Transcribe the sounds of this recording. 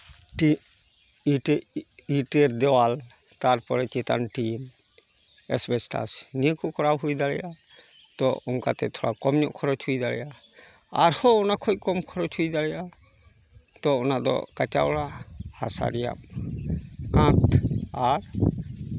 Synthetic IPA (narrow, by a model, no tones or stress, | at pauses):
ʈi | ʈiʈeɾd̪ɛwal | t̪aɾpɔɾɛt͡ʃet̪a̰nʈim | ɛ̰sbɛsʈa̰sniəkukʰɔɾawɦujd̪alɛja | t̪ɔ̰uŋkat̪ɛt̪ʰɔɽakɔmɲɔʔkʰɔɾɔt͡ʃʰujd̪alɛja | aɾhɔɔnakʰɔjkɔmkʰɔɾɔt͡ʃʰujd̪alɛja | t̪ɔɔnad̪ɔ̰kat͡ʃa̰wɽaha̰sa̰ɾija̰m | kãt̪aɾ